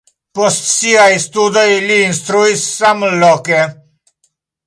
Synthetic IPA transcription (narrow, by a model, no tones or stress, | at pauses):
pɔst̪siajst̪ud̪əjliːnst̪ɾujsːamlɔkɛ